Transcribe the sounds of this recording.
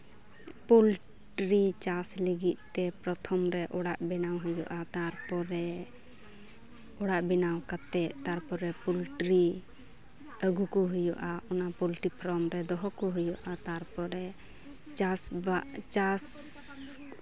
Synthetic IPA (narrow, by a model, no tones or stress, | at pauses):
pul | ʈɾit͡ʃasləɡit̪̚ˀt̪ːɛpɾɔt̪ʰɔmɾɛʔɔɽaʔbɛnawɦɔjɔʔat̪aɾpɔɾɛ | ɔɽaʔbɛnawkat̪ɛʔt̪aɾpɔɾɛpulʈɾi | əɡukɔɦujɔʔaɔnapulʈipʰɾɔmɾɛd̪ɔɦɔkɔɦujɔʔat̪aɾpɔɾɛ | t͡ʃasbaʔt͡ʃas